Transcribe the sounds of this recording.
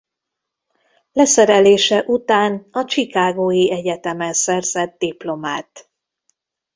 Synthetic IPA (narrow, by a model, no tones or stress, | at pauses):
lɛsɛɾɛleːʃɛʔut̪aːnɒt͡ʃikaːɡoːjiɛɟɛt̪ɛmɛnsɛrzɛt̪̚d̪iplo̞maːt̪